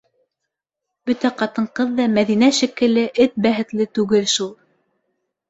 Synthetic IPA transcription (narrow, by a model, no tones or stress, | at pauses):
bɵt̪æqɑt̪ɤ̆ɴqɤðːɑmæðinæʃikɘ̆lɘʔɘt̪̚bæɦɘ̆t̪lɘt̪ʉɡɘlʃulˠ